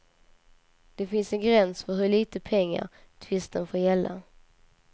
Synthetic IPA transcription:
d̪̥ɛfɪnsɛnɡɾɛnsfœɾɦɵɭiːt̪əpʰɛŋːa̰ɾ | t̪ʰvɪst̪ənfoːɾjɛlːa̰

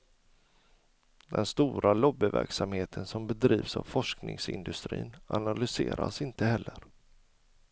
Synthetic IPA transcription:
d̪ɛnst̪uːɾʔalɔbːɪvæ̰ɾksamheːt̪ʰənsɔmbɛd̪ɾiːvsavfɔʂknɪŋsɪnd̪ɵst̪ɾḭːnanalʏseːɾʔasɪnt̪əhɛlːəɾ

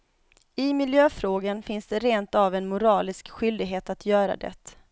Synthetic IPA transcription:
ɪmɪljøːfɾoːɡanfɪnsd̪ɛɾeːnt̪avɛnmʊɾɑːlɪskɧʏld̪ɪɡɦeːt̪at̪ʰjœːɾa̰d̪ɛ̰t̪

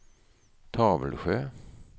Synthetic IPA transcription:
t̪ʰɑːʋəlɧøː

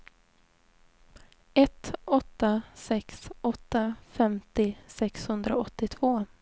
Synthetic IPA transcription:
ɛt̪ɔt̪ːasɛksɔt̪ːafɛmt̪ɪsɛkshɵnd̪ɾaɔt̪ːɪt̪ʰv̥oː

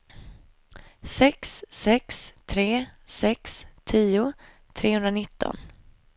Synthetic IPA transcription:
sɛksːɛkst̪ʰɾeːsɛkst̪ʰiːʊ | t̪ʰɾeːhɵnd̪ɾanɪt̪ːɔ̰n

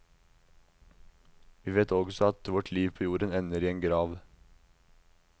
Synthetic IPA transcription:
ʋiːʋeːt̪ɔɡsɔɑt̪ʋɔʈʰliːʋpʰoːjuːɾənɛnəɾiːeːŋɡɾɑːʋ

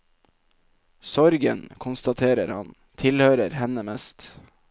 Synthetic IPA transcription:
sɔɾɡə̰nkʰʊnst̪ɑt̪ʰeːɾəɾhɑ̰n | t̪ʰɪlhøːɾəɾhɛnəmɛst̪

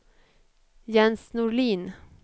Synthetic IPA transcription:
jɛnsnʊɭiːn

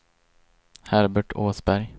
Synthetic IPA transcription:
hæɾbəʈʰoːsbæɾj

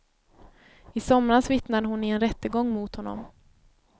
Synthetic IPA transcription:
ɪsɔmɾasvɪt̪nad̪əɦʊnɪɛnɾɛt̪ːəɡɔŋːmut̪hɔnːɔ̰m

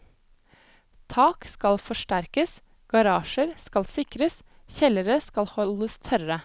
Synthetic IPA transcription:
t̪ʰɑːkskɑlfɔʃʈæɾkəs | ɡ̥ɑɾɑːʃəɾskɑlsɪkɾəs | çɛləɾəskɑlhɔləst̪ʰœɾə

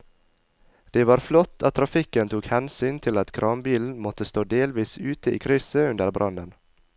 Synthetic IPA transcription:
d̪̥eːʋɑːɾflɔt̪ʰːɑt̪ʰɾɑfɪkənt̪ʰuːkhɛnsyːnt̪ʰɪlɑt̪kʰɾʔɑːmbiːln̩mɔt̪əst̪oːd̪eːlʋiːsʉːt̪əḭːkʰɾʏsəʉnd̪əɾbɾʔɑnd̪ən

